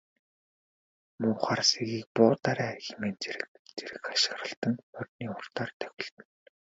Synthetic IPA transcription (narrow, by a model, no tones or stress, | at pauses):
mʊːχaːrsiɣiːk̚pʊːt̪aɾæːxemeːnt͡seɾɘ̆kt͡seɾɘ̆kaʃɪ̥̆χrə̆ɬt̪ə̆ŋʊt̪niːʊr̥t̪aːrt̪ʰœ̥xʲɪ̆ɬt̪ɘ̆n